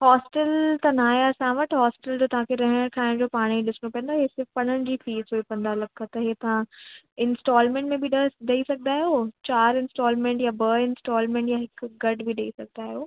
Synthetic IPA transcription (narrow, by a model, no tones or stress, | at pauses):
ɦɔːsʈəlt̪ɐnaːɦeɐsãʋɐʈɦɔːsɪʈəld͡ʑoːt̪ɐʋ̤ãkʰeɾɐɦəɽ̃ɽ̃kʰaːɪɽ̃d͡ʑoːpaːɽ̃iɗɪsɪnopɐ̃ə̃nd̪oːɦesɪɾfpɐɽəɽ̃ɪd͡ʑiːfiːzoːipɐ̃nd̪alɐkʰːət̪ɐɦet̪ɐʋã | ɪnsʈɔːlmẽːɳʈmẽbɪɗɗɐisɐɡ̚ʱnd̪aːɦeɦoːt͡ɕaːɾɪ̃nsʈɔːlmẽːɳʈjabɐɪ̃nsʈɔːlmẽːɳʈjaɦɪkɡɐɖbiɗɐisɐɡ̚ʱd̪aːɦɪɦoː